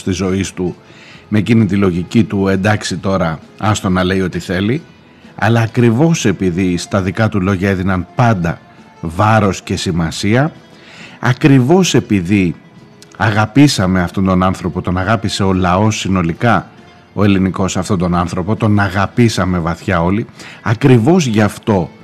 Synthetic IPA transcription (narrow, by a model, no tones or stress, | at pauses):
st̪izo̞ist̪u | mecinit̪ilo̞ʝicit̪ue̞nd̪ɐksit̪o̞ɾɐ | ɐst̪o̞nɐle̞io̞t̪iθe̞li | ɐ̰lɐːkɾivo̞se̞piðist̪ɐðikɐt̪ulo̞ʝɐeðinɐnpɐnd̪ɐ | vɐɾo̞sce̞simɐsiɐ | ɐkɾivo̞se̞piði | ɐɣɐpisɐme̞ɐft̪o̞nd̪o̞nɐnθɾo̞po̞t̪o̞nɐɣɐpise̞o̞lɐo̞sːino̞likɐ | o̞e̞liniko̞sɐft̪o̞nd̪o̞nɐnθɾo̞po̞t̪o̞nɐɣɐpisɐme̞vɐθçɐo̞liɐkɾivo̞zʝɐft̪o̞